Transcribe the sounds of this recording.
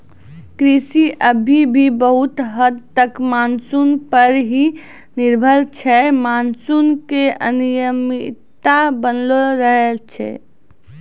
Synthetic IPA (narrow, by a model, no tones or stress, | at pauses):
kɾisiʔəbʱibʱibəɦut̪ɦəd̪t̪ːəkmansunpəɾɦi | niɾbʱəlt͡ʃʰɛmansunkeʔə̰nijəmit̪abənloɾəɦelt͡ʃʰɛ̰